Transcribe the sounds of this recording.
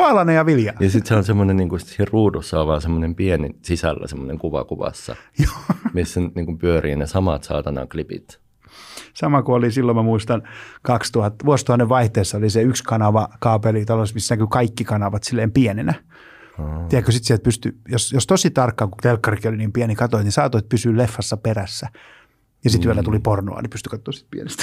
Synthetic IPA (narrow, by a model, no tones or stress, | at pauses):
ɑlɑnejɑʋiljɑnɑsit̪seonsemːonenniːŋkusiːhrruːdusːɑoʋʋɑːnsemːonempienisisæ̰lːæ̰semːoneŋkuʋɑ̰kuʋɑ̰sːɑ̰joːmisːænyt̪niːŋkumpyøriːnesɑmɑ̰t̪sɑ̰ːt̪ɑnɑ̰klipḭt̪ | sɑmɑkuolisilːomæmuist̪ɑnkɑkst̪uhɑt̪ːʋuost̪uhɑnːeʋʋɑiht̪eːsːɑoliseykskɑnɑʋɑkɑːpelit̪ɑlosmisːnækykɑikːikɑnɑʋɑt̪silːeːmpiɛnenæ | t̪iækːøsit̪siælt̪̚pyst̪yjosjost̪osit̪ɑrkːɑːkut̪elkːɑrkioliniːmpiɛnikɑt̪oit̪nisɑːt̪oit̪̚pysyːllefːɑsːɑperæsːæ | jɑsit̪yælːæt̪uliporno̰ɑ̰nipyst̪y̥kɑt̪ːˑoːsi̥t̪̚piḛnist̪